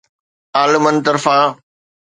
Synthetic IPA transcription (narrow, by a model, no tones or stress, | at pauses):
aːlɪmənt̪ɐɾfaː